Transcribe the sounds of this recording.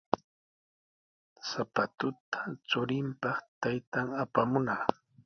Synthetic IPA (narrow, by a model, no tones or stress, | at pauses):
sapat̪ʊt̪ʰḁt͡sʊɾɪmpɑχt̪ajt̪aŋapamʊnaː